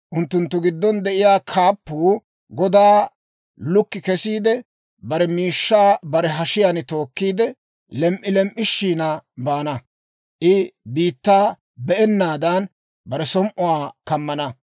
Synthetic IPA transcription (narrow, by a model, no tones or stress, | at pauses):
ʔʊnt̪ːʊnt̪ːʊɡɪd̪ːɔnd̪ɛʔɪjaːkʰaːpːuː | ɡɔd̪aː | lʊkːɪkɛsiːd̪ɛ | bɐɾɛmiːʃːaːbɐɾɛɦɐʃɪjanɪt̪o̞ːkːiːd̪ɛ | lɛmʔɪlɛmʔːɪʃːiːnɐbaːnɐ | ʔɪbiːt̪ːaː | bɛʔɛnːaːd̪ɐn | bɐɾɛsɔmʔʊwaːkɐmːɐnɐ